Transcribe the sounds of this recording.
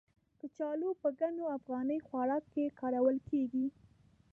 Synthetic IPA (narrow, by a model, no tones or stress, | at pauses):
d̪̥ət͡ʃɑlopəɡanoafɣɑnəjxwaɾɑkːekɑɾawəlkeɡi